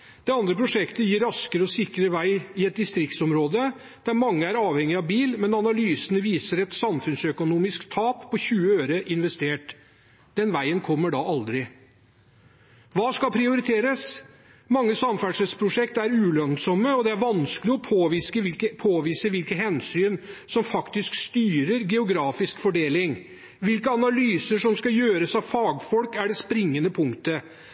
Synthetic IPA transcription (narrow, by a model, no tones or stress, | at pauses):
d̪̥ɛɑnd̪ɾəpʰɾʊʂɛkt̪əjiːɾːɑskəɾəɔsɪkɾəʋæɪɪɛt̪̚d̪ɪst̪ɾɪkt̪sɔmɾoːd̪ə | d̪̥æɾmɑŋːəæɾɑːʋhɛŋːɪɑʋbiːlmɛnɑnɑlyːsənəʋiːsəɾɛt̪sɑmfʉnsœkʊnuːmɪskt̪ʰɑːppʰːɔçʉːəøːɾəʔɪnʋɛst̪eːʈ | d̪̥ɛnʋæɪənkʰɔmːəɖɑʔɑld̪ɾɪ | ʋɑːskɑlpʰɾɪʊɾɪt̪ʰeːɾəs | mɑŋːəsɑmfæɖʂəspʰɾʊʂɛkt̪æɾʉːlœnsɔmːəɔd̪ɛæɾʋɑnskəlɪɔpʰoːʋiskəɪlkəpʰoːʋiːsəʋɪlkəɦɛnsyːnsɔmfɑkt̪ɪskst̪yːɾəɾɡɛʊɡɾɑːfɪskfɔɖeːlɪŋ | ʋɪlkəɑnɑlyːsəʂɔmskɑjøːɾəsɑʋfɑːɡfɔlkæɖɛspɾɪŋːənəpʰʊŋkt̪ə